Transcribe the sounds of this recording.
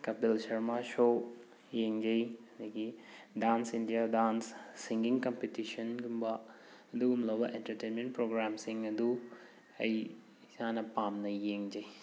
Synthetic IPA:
kɐp̚d̪ɐlʃɐɾmaʃoː | jeŋd͡ʒɐjnekiɖaːnsind̪ijadaːnsːiŋɡiŋɡkɐmpetiʃɐnɡumba | d̪uumlɐʋɐʔenʈɐɾʈeːnmẽɳʈ̚pɾoːɡɾaːmsiŋɐd̪u | ɐj | saːnɐpːaːmnɐjjeŋd͡ʒɐj

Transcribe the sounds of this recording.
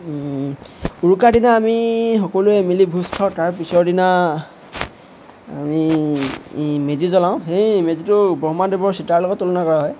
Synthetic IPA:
uɹukadinaːmixɔkɔluɛmilibʱustʰɔtaɹpisɔɹdina | a̰mi | mezizɔlaʊ̃xejmezitʊbɔɦmadebɔɹsitaɹlɔɡɔtːulɔnakɔɹaɦɔj

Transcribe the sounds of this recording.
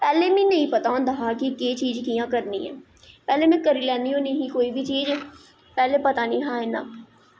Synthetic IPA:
pɛːlemĩnɐɦĩpɐt̪aʊ̃nd̪əɦakiket͡ʃiːd͡ʒkijãkəɾnḭɦɛ̰ː | pɛːlemɛ̃kəɾilɛːniõnɐɦĩkoːibʱit͡ʃiːd͡ʒ | pɛːlepɐt̪anĩɦãːena̰ː

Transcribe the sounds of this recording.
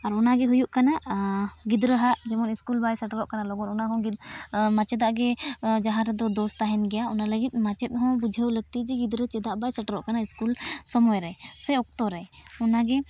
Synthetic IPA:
aɾɔnaɡɛɦujuʔkanaʔɡid̪ɾəɦaʔd͡ʒɛmɔniskulbajsəʈəɾɔʔkanalɔɡɔnɔnaɦɔ̃ɡimat͡ʃɛd̪aʔɡɛd͡ʒaɦãɾd̪ɔd̪ɔst̪aɦɛnɡɛjaɔnaləɡit̪̚ˀmat͡ʃɛt̪̚ˀɦɔ̃bud͡ʒʱəwləɡ̚t̪id͡ʒɛɡid̪ɾət͡ʃɛd̪aʔbajsəʈəɾɔʔkanaiskulsɔmɔjɾɛsɛɔk̚t̪ɔɾɛɔnaɡɛ

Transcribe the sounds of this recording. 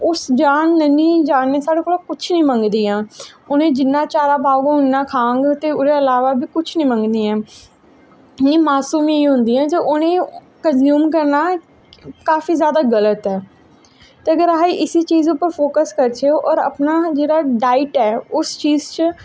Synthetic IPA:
ʊsd͡ʒaːnːənĩːd͡ʒaːnːẽːsaːɽeːkoːloːkʊt͡ʃʰnəĩːməŋɡd̪iːɛ̃ːʊnẽːd͡ʒɪnːãːt͡ʃaːɾaːbaːɡɦʊnːaːkʰãːŋɡt̪eːʊɾeːəlaːʋaːbiːkʊt͡ʃʰnəĩːməŋɡd̪iːɛ̃ː | nĩːmaːsuːmjeiɦʊ̃nd̪iːɛ̃ːt̪eʔʊnẽː | kənzjuːmk̬əɾnaː | kaːfiːzjaːd̪aːɡələt̪ɛː | t̪eːəɡəɾaːiʔɪsiːt͡ʃiːzʊpəɾfʰoːkəskəɾt͡ʃʰeːoːʔɔːɾə̰pnaːd͡ʒeːɽaːɖaːɪʈɛːʊst͡ʃiːzt͡ʃ

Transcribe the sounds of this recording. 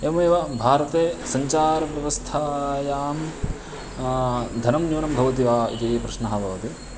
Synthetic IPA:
emɐeːʋɐbʱaːɾɐt̪eːsɐɲt͡ʃaːɾɐʋjɐʋɐst̪ʰaːjaːm | d̪ʱɐnɐmnuːnɐmbʱɐʋɐt̪̬iʋaːḭt̪ipɾɐʃnɐɦɐbʱɐʋɐt̪i

